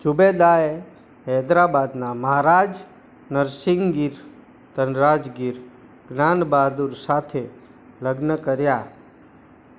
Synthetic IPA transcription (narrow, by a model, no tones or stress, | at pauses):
d͡ʒubed̪ae | ɦɛd̪ɾabad̪naməɦaɾaːd͡ʒ | nəɾsiŋɡiɾ | t̪ənɾad͡ʒɡiɾ | ɡnanbaːd̪uɾsat̪ʰe | ləɡnəkəɾja